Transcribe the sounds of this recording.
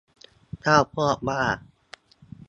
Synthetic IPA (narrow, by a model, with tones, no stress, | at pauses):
t̪ʰaː˥˩wpʰɔː˥˩k̚baː˥˩k̚